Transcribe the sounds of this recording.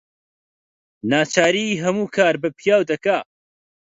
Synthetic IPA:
naːt͡ʃaːɾiɦɐmuːkʰaːɾbɐpʰijaːwd̪ɐkaː

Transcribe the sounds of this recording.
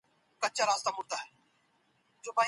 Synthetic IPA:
kət͡ʃaːɾaːst̪aːmʊɾt̪aːɦɛː | d͡ʒoːbaː

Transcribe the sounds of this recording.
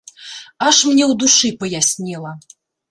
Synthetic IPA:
aʂmnʲɛwd̪uʂɨpɐjasʲnʲilˠɐ

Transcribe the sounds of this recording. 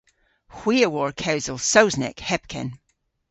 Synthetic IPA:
hw̥iəwɔɹkʰawzəlˠsoʊznɛ̰khɛp̚kʰə̰̃n

